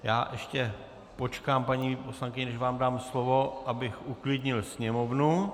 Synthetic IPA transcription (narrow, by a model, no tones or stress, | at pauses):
jaːʔɛʃcɛ | pot͡ʃkaːmpaɲiːpo̞slaŋkɪɲɛnɛʃvaːmdaːmslovo̞ʔabɪxʔuklɪdɲɪlsɲɛmo̞vnu